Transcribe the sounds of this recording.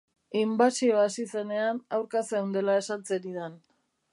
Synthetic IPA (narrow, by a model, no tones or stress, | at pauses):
imbasio̞asise̞ne̞anawɾkaseund̪e̞lae̞sant͡seɾiðan